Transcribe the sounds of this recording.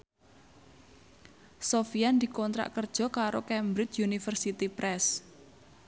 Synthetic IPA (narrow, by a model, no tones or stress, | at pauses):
sofiand̪i̤kɔnt̪ɾa̰ʔkərd̥ʒ̥ɔ̤kaɾokɛmbɾɪt͡ʃjunifərsit̪ipɾʔɛs